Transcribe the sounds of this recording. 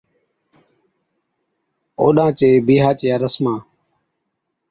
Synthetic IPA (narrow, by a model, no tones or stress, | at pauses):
o̰ːɗãːt͡ʃeːbiːɦaːt͡ʃjaːɾəsmãː